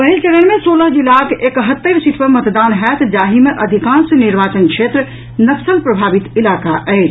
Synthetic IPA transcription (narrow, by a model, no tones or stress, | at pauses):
pəɦilt͡ʃəɾəɳmesoləɦd͡ʒilakʰekəɦət̪ːəɾsit̪ʰpəmət̪d̪anɦɛt̪ʰd͡ʒaɦimeʔəd̪ʱikãnsəniɾbat͡ʃənkʃʰet̪ɾ | nəksəlpɾəbʱabit̪ilakaʔəɪt͡ʃʰ